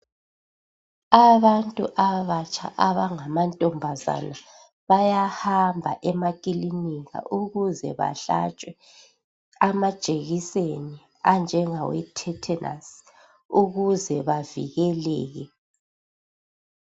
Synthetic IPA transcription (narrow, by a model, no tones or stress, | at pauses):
aβantʼṵʔaβat͡ʃʼa̰ʔaβaŋamantʼɔmbʱaza̰na | βajahambʱaʔɛmakʼiliniɣa̰ʔuɣuzɛβa̰ɬa̰t͡ʃʼwɛ | amad̥ʒ̥ʱʼeɣiseni | and͡ʒʱɛŋawɛ̰tʰɛtʰɛnʔa̰s | uɣuzɛβavḭɣɛlɛːɣɛ